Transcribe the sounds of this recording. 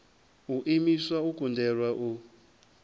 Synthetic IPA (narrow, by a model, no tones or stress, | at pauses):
uʔimiswaukundɛrwaʔu